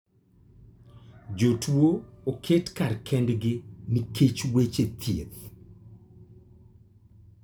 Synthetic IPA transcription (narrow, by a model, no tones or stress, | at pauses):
d͡ʒotwookʰetkarkʰɛndɡɪnikʰet͡ʃwet͡ʃet̪ʰjet̪